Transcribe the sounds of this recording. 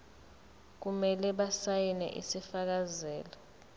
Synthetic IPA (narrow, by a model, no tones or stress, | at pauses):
k̬umɛlɛɓasajinɛ̰ʔḭsifak̬azɛːlɔ